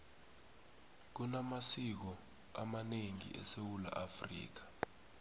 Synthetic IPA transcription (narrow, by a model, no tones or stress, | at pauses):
k̬unamasik̬ɔ | amaneŋḭʔɛ̰sewula̰ʔafrḭːk̬ḁ